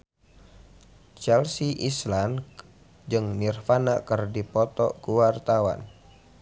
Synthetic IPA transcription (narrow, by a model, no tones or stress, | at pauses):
t͡ʃɛlsiʔislan | d͡ʒɨŋnirfanakərdipɔt̪ɔ̰kuwart̪awa̰n